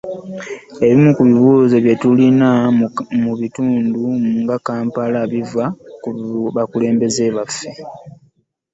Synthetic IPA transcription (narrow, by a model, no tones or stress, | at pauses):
e̞βimukuβiβuːzeβjetulinamuβituːndumuŋɡakaːmpalaβivakuβakule̞ːmbe̞ze̞ːβafːe̞